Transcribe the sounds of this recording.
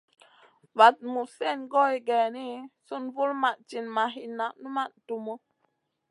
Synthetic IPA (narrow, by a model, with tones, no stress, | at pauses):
va˨t̚mu˨sɛ˦˨nɡɔ˦i˨ɡɛ˨ni˦su˦nvu˦lma˨ʔt͡ʃi˨nma˨ɦi˨na˨ʔnu˦ma˦˨ʔtu˨mo˦